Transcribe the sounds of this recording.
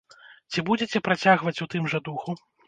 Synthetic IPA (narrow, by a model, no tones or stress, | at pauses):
t͡sʲibud͡zʲet͡sʲɛpɾat͡sʲaɣvɐt͡sʲut̪ɨmʐɐd̪uxu